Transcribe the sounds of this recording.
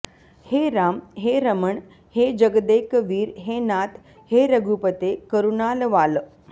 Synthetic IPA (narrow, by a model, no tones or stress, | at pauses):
heɾamɦeɾəməɳ | hed͡ʑəɡd̪ekʋiːɾɦenat̪ | heɾəɡupət̪ekəɾunalʋalə